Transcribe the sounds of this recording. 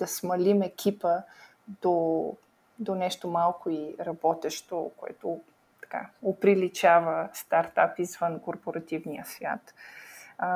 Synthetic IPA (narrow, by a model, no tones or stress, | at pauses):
d̪̥ɐsmɐlimɛkʰʲipə | d̪̥o | d̪onɛʃt̪omalˠkoiɾɐbɔt̪ɛʃt̪okoɛ̰t̪o | t̪ɐ̥ka̰opɾilit͡ʃavəst̪aɾt̪apizvənkoɾpoɾɐt̪ivnijəsvʲja̰t̪